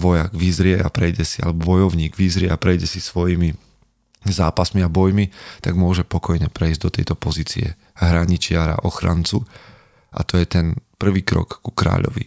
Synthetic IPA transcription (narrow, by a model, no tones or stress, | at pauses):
ʋɔjaɡʋizɾɪɛapɾɛjɟɛsia̰lɛbɔbɔjɔʊɲiːɡʋizɾɪɛapɾɛjɟɛsisʋɔjimi | zaːpasmiabɔjmit̪aɡmʊɔʒɛpɔkɔjɲɛpɾɛizɟd̪ɔt̪ɛ̰jt̪ɔpɔziːt͡sḭɛ̰ | ɦɾaɲit͡ʃɪaɾa̰ʔɔxɾa̰nt͡su | ʔa̰t̪ɔjɛt̪ɛnpr̩ʋiːkɾɔ̰kːu̥kɾa̰ːʎɔ̰ʋḭ